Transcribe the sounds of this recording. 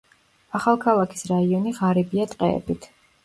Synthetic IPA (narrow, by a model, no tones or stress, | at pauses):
aχalˠkʰalˠakʰi̥sɾaiɔniʁaɾibiat̪ʼqʼɛ̰ɛ̰bit̪ʰ